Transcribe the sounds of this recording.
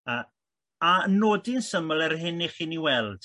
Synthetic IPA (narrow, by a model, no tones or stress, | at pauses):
ə | aənoːdinsəməlˠɛrɦɪniχiːniwɛlˠd̥